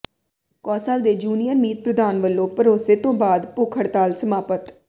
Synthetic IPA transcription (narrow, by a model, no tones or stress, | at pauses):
kɔːsaːld̪eːd͡ʒuːnijəɾmiːt̪̚pɾəd̪aːnʋəlːõːpəɾoːseːt̪õːbaːd̪pʊkʰəɽt̪aːlsəmaːpət̪